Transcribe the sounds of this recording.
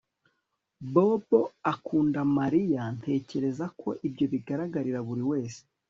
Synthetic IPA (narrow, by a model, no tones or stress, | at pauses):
bo̞boakuːndamaɾijantʰe̞ːce̞ɾe̞zakʰo̞̰ʔibɟo̞βiɡaɾaɡaɾiɾaβuɾiwe̞ːse̥